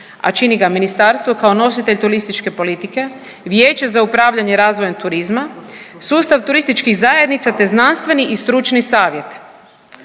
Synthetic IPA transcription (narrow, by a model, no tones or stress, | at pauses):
a̰t͡ʃiniɡaminist̪aɾst̪ʋokaono̞sit̪et̪uɾist̪it͡ʃke̞po̞lit̪ike̞ | ʋjeːt͡ʃezaupɾaːʋʎaɲe̞ɾaːzʋojat̪uɾizma | suːst̪aʋt̪uɾist̪it͡ʃkiɣzaːje̞d̪nit̪sat̪e̞znanst̪ʋe̞niʔist̪ɾut͡ʃnisaːʋje̞t̪